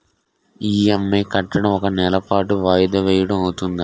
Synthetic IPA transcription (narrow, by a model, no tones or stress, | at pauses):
iːɐmːeːkɐʈːɐɽɐmɔkɐnɛlɐpaːʈuʋaːjɐd̪ɐʋɛːjɐɽɐmɐwut̪und̪i